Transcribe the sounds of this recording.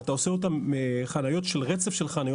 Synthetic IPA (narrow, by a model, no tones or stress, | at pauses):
taoseotamːeχanajo̞tʃelʁet͡se̞fʃe̞lχanaj